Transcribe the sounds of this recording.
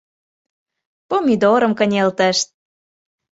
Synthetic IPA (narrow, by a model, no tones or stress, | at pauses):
pomʲid̪oɾə̆mkə̆nʲelt̪ə̆ʃt̪̚